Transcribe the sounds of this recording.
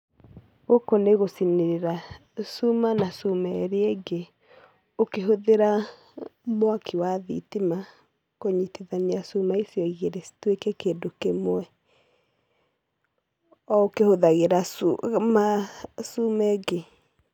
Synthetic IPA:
ɣokoneɣosineɾeɾa | sumanasumɛɾeeɡe | okeɦoðeɾa | mwakiwaðḭtima | koɲitiðaniasumaisjɔiɣeɾesi̥twekɛkeːdokemoɛ | ɔokehoðaɣeɾasmasumɛɡe

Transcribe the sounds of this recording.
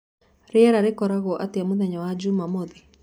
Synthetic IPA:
ɾeɛɾaɾekɔɾaɣɔʔateamoðɛɲawad͡ʒumamɔði

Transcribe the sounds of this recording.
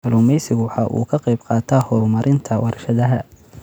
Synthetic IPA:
ɐluːmɛjsɪɣʊwɑħɑʔṵːkʰɐqɑjbqɑːt̪ʰɐhɔːrmɐɾʔɪnt̪ʰɐwɑrʃɐðɐɦɐ

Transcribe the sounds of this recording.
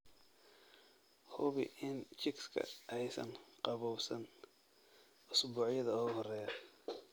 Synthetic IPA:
hʊβɪʔɪnt͡ʃɪkskʰɐ̰ʔɛjsɐ̰nqɑβɔwsɐn | ʔʊsbuːʕjɐðɐɔːɣʊhɔrɛːjɐ

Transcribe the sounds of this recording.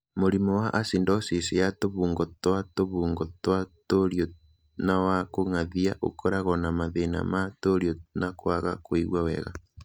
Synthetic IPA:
moɾimɔwaʔasindɔsisejatoβuːŋɡɔtwatoβuːŋɡɔtwatoɾjɔ | nawakoŋaðiaʔo̰kʰɔɾaɣɔnamaðena̰matoɾjɔnakwaɣakwiɣwawɛ̰ɣa̰

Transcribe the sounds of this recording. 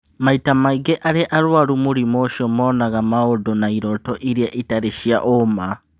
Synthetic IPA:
maitamaiɡeʔaɾeʔaɾwaɾumoɾimoʃɔmɔːnaɣamaodɔnaiɾɔtɔʔiɾiaʔitaɾeʃiaʔoma

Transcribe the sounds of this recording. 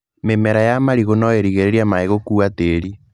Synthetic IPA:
memɛɾajamaɾiɣonɔeɾiɣeɾeɾiamaeɣokuateːɾi

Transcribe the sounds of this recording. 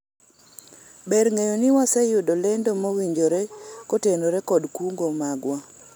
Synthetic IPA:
beɾŋejonɪwasɛjʊdolendomowiɲd͡ʒoɾekotenoɾekɔdkuŋɡomaɡwa

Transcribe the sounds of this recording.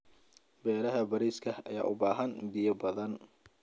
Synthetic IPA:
bɛːɾɐɦɐbɐɾiːskʰɐɐ̰ja̰ːʔʊbaːɦɐnb̪ɪjɐbɐðɐn

